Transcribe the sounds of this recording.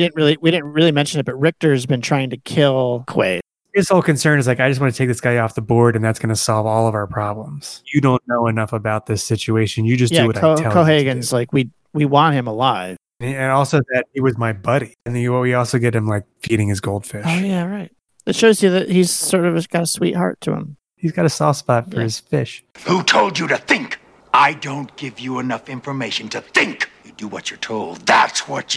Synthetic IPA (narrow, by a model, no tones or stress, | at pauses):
idɪdⁿn̩t̚ɹɪlˠiwiɾɪdⁿn̩t̚ɹɪlˠimɛ̃nʃɨ̃nɨt̚b̥ʌt̚ɹɪk̚tə˞zbɨ̃ntʰɹ̥aɪɪ̃ŋtɨkʰɪlˠkʰw̥ḛɪ | ðɪshoʊlˠkɨ̃nsɜ̃˞nɨzlaɪkaɪd͡ʒʌstwɑ̃nɨtʰeɪk̚ðɪsɡ̥aɪɔfðəbɔɹɾɨ̃nðætsɡ̥ʌnɨsɑlˠvɔlˠʌvaʊə˞pʰɹ̥ɑblə̃mz̥jɨdõʊ̃nːoʊɨnʌfəbaʊt̪̚ðɪsɪt͡ʃʉeɪʃɨ̃njɨd͡ʒʌs̬dæɨwʌɾoʊɛkˠʰoʊɦeɪɡɨ̃nzlaɪkwi | wiwɑ̃nt̚hɨ̃məlaɪv̥ | ɨ̃ɨ̃nɔlˠsoʊðɨt̚hiwʌzmaɪbʌɾiɨ̃nðɨɨwʌt̚wiɔlˠsoʊɡɛt̚hɨ̃mlaɪk̚fiɾɪ̃ŋɨzɡoʊlˠd̥fɪʃoʊjæɹaɪt̚ | ɨtʃoʊzjɨðɨt̚hiz̥sɔɹɾʌvɨɡ̥ɑɾəswḭt̚hɑ̰ɹtʰɨ̰ə̰̃m | hizɡɑɾɨsɔspɑtfə˞ɨz̥fɪʃ | hutʰoʊlˠd͡ʒɨɾɨθɪ̃ŋk | ʔaɪdõʊ̃nɡ̥ɪvjɨənʌfɪ̃ɱfə˞meɪʃɨ̃n̩tʰɨθɪ̃ŋkjɨdɨwʌt͡ʃə˞tʰoʊlˠd̪̚ðæ̰tswʌt͡ʃ